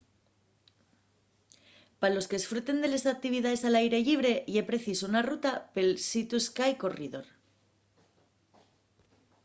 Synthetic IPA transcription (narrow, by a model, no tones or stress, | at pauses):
paɾalo̞ske̞esfɾut̪e̞nd̪e̞lesak̚t̪iβ̞iðaðe̞salajɾe̞ʎiβ̞ɾe̞ʔiepɾe̞θisounarut̪ape̞lsit̪uskajko̞riðo̞ɾ